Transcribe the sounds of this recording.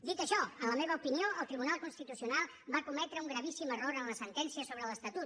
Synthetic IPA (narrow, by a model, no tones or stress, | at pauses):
d̪it̪əʃɔənləmeβəupinioʔəlˠt̪ɾiβunalˠkunst̪it̪usiunalˠ | bakumɛt̪ɾəuŋɡɾəβisiməroɾənləsənt̪ɛnsiəsoβɾələst̪ət̪ut̪̚